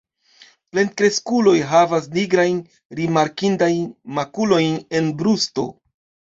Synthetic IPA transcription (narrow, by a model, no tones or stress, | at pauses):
ple̞n̚kɾe̞skulo̞jɦavas̬niɡɾajn | ɾimaɾkindajnmakulo̞jne̞nbɾusto̞̰